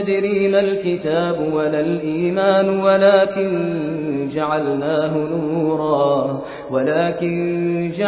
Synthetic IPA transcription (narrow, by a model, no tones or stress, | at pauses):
d̪ɪɾiːnalkɪt̪aːbwalalʔiːmaːnwalaːkɪn | d͡ʒaʕalnaːɦʊnuːuːɾˤɑː | walaːkɪnd͡ʒa